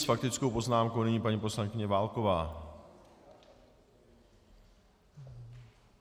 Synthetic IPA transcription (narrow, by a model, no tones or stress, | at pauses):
sfak̚t̪ɪt͡skowpo̞znaːmkownɪɲiːpaɲipo̞slaŋkɪɲɛvaːlko̞vaː